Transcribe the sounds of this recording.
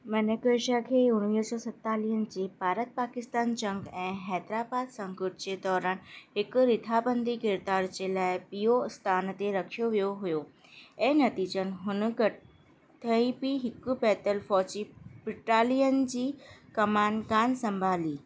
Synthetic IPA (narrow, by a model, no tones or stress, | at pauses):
mɐnekeːʃakʰeːʊñʋiːsɔːsɐt̪ːaːliːɦənɪ̆d͡ʑeːbaːɾət̪̚paːkɪst̪aːnd͡ʑɐ̃ŋɡɛ̃ːɦɛːd̪ɾaːbaːd̪sɐ̃ŋkʊʈd͡ʑet̪ɔːɾaːn̆ɦɪkʊɾɪt̪ʰaːbə̃nd̪ʱiɡɪɾd̪aːɾd͡ʑelaːɪpijost̪aːnt̪eɾɐkʰijoʋijoɦʊjo | ɛ̃ɦnɐt̪iːd͡ʑənɪ̆ɦʊnk | t̪ʰɐipiɦɪkʊ̆bɛːt̪əlfɔːt͡ɕibɪʈaːlijən̆d͡ʑiːkɐmaːnɡaːnsɐ̃mbʱaːliː